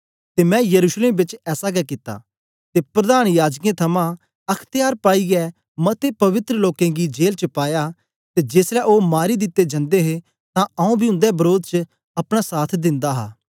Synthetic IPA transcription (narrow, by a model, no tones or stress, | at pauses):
t̪eːmɛ̃jɐɾuːʃleːmbɪt͡ʃɛːsaɡɛkɪt̪ːa̰ː | t̪epɾɐd̪aːñjaːd͡ʒkẽt̪ʰɐmã | ɐkʰt̪ɪjaːɾpaːiɡɛ | mɐt̪epɐʋɪt̪ɾəloːkẽɡid͡ʒeːlt͡ʃəpaːja | t̪ed͡ʒeːslɛʔoːmaːɾid̪ɪt̪ːed͡ʒɐ̃nd̪eɦe | t̪ãɐũbʱiʊ̃nd̪ɛbɐɾoːd̪̚t͡ʃə | ɐpɽ̃asaːt̪ʰd̪ɪ̃nd̪aɦa̰ː